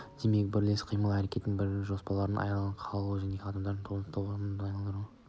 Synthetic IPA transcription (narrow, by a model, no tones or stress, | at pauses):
d̪̥e̞me̞k̚bɪɾle̞sqʰijməlˠæɾe̞kʲe̞t̪ɪnbɪɾʒo̞spɑlˠɑɾənʔɑ̰jnɑlˠʁɑɴqʰɑlˠuʒæneqʰɑd̪ɑmd̪ɑɾənt̪ʰuəst̪oɑmɑjnɑlˠd̪əɾu